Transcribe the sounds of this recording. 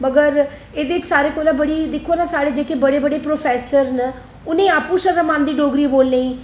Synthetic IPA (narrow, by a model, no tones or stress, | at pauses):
məɡəɾ | eːd̪eːt͡ʃsaːɾeːkoːlãːbəɽiːd̪ɪkʰːoːnaːsaːɽeːd͡ʒeːkeːbəɽeːbəɽeːpɾoːpʰɛːsəɾnə | ʊnẽːaːpũʃəɾəmãːnd̪iːɖoːɡɾiːboːlneĩː